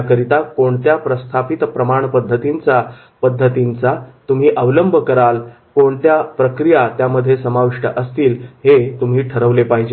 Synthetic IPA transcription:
kəɾit̪akoɳt̪japɾəst̪ʰapit̪pɾəmaɳpəd̪ʱːət̪int͡sa | pəd̪ʱːət̪int͡sat̪um̤iːʔəʋləmbʱəkəɾal | koɳt̪japɾəkɾijat̪jaməd̪ʱːjesəmaʋiʂʈə̰ʔəst̪iːlhet̪um̤iːʈʰəɾəʋlepaɦĩd͡ʑe

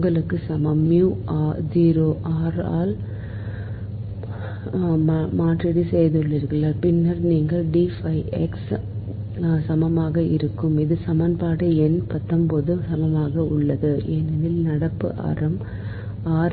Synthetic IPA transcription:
ŋɡɐɭɯkːɯsɐmɐmjuːaːd͡ʒiːɾoːʔaːɾaːl | maːʈɾɪɽisɛjðɯɭːɪɾɯkːɯlɐpɪnːɐɾniːŋɡɐɭɖifɐɪʔɛks | sɐmɐmaːɣɐɪɾɯkːɯmɪðɯsɐmɐnpaːɽɯɛnpɐt̪ːɐmpoːðɯsɐmɐmaːɣɐʊɭːɐðɯeːnɐnɪlnɐɽɐpːɯ̰ʔa̰ːɾɐm | aːɾ

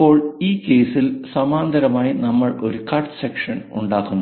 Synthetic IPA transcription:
o̞ːɭiːkːe̞ːsilsɐmaːnd̪ʱɐɾɐmaːjinɐmːɐɭo̞̰ɾukɐrʈsekʂɐnṵɳɖaːkunː

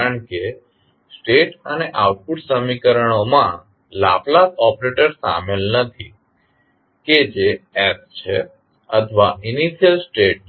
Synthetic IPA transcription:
aəɳke | sʈeʈəneʔaʋʈ̚puʈsəmikəɾəɳ̃omã | la̰plasɔpɾeʈəɾsa̰melnət̪ʰi | ked͡ʒeɛst͡ʃʰe | ət̪ʰʋainiʃijəlsʈeʈ̚

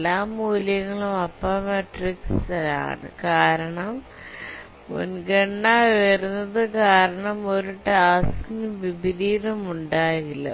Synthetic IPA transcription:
lːaːmuːljɐŋːɐɭumɐpːaːmeʈriksɐla̰ːɳɨ̰kaːɾɐɳɐm | o̰nɡɐɳːaːʋɐɾunːɐðɨkaːɾɐɳɐmoɾuʈːɨaːskiŋumʋibiɾiːɾumuɳɖaːɣilːɐ̰

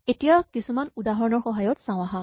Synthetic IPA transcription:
etijakisumanudaɦɔɹɔnɔɹxɔɦajɔtsãw̃aɦã

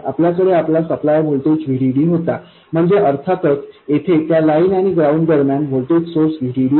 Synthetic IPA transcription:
a̰pljakəɽeaplasəplajbʱolʈ̪ut͡sʋʱiɽiɽiːɦot̪a | m̤əɳd͡zeʔəɾt̪ʰat̪ət͡set̪ʰet̪jalainaɽ̃iɡɾauɳɖd̪əɾmjanbʱolt̪ut͡ssoɾsʋʱiɽiɽiː

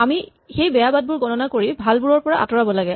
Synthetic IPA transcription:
ami | xejbɛjabad̚bʊɹɡɔnɔnakoɹibʱalbuɹɔɹpɔɹaʔa̰tɔɹabɔlaɡɛ

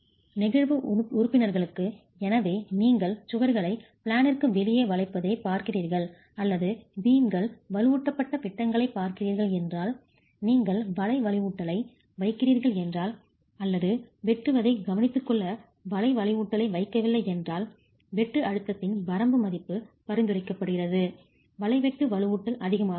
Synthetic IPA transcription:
nɪɣɐɻʋɯʊɾʊpːɪnɐɾɣɐɭɯkːɯ | ɛnɐʋeːniːŋɡɐɭsʊɣɐɾɣɐɭɐɪpɪɭaːnɪrkɯʋɛlɪjeːʋɐɭɐɪpːɐðeːpaːɾkɪriːɾɣɐɭ | ɐlːɐðɯbiːmɡɐɭʋɐɾɯʋuːʈːɐpːɐʈːɐpɪʈːɐŋɡɐɭɐɪpːaːɾkɪriːɾɣɐɭɛndraːl | niːŋɡɐɭʋɐlɐɪʋɐɭɪʋuːʈːɐlɐɪ | ʋɐɪkːɪriːɾɣɐɭɛndraːl | ɐlːɐðɯʋɛʈrɯʋɐðɐɪɡɐʋɐnɪt̪ːɯkːɔɭːɐ | ʋɐlɐɪʋɐɭɪʋuːʈːɐlɐɪʋɐɪkːɐʋɪlːɐɪɛndraːl | ʋɛʈːrɯʔɐɽɯt̪ːɐt̪ːɪnʋɐɾɐmbɯmɐðɪpːɯpɐɾɪnd̪ɯrɐɪkːɐpːɐɽɯɣɪrɐðɯ | ʋɐɭɐɪʋɛʈːɯʋɐɻɯʋuːʈːɐlʔɐðɪɣɐmaː

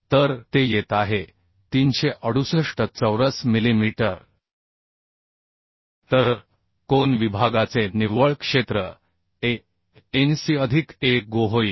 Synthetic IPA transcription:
t̪əɾt̪ejet̪aɦe | t̪inɕeʔəɽ̤usəʂʈət͡səwɾəsmilimiʈəɾ | t̪əɾ | konʋibʱaɡat͡seniʋəɭkʂet̪ɾə | e | ensiəd̪ʱikeɡoɦoi

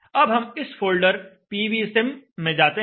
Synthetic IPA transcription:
ɐbɦɐmɪsfʰoːlɖəɾpiːʋiːɛsɛmːẽd͡ʒaːt̪e

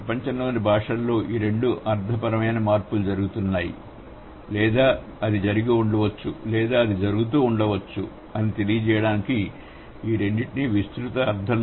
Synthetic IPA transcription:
ɐpɐɲt͡ʃɐnloːnibʱaːʂɐllːo̞ːʔiːɾe̞ɳɖuʔɐɾd̪ʱɐpɐɾɐmɐjnɐmaːɾpulud͡ʒɐɾuɡut̪unːaːjḭ | lɛːd̪aː | ɐd̪id͡ʒɐɾiɡiuɳɖɐʋɐt͡ʃːulɛːd̪aːɐd̪id͡ʒɐɾuɡut̪uːuɳɖɐʋɐt͡ʃːu | ɐnit̪e̞lijɐd͡ʒɛːjɐɽaːniki | ʋiːɽenːiʈiniʋist̪ɾut̪ɐːɾd̪ʱɐn

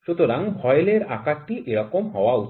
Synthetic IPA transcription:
ʃut̪oɾaŋbʱɔjeleɾa̰kaʈiʔeɾɔkomɦɔoau

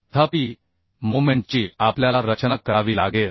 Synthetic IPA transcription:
t̪ʰapi | momeɳʈ̚t͡ɕiːapljalaɾət͡ɕnakːəɾaʋiːla̰ɡe

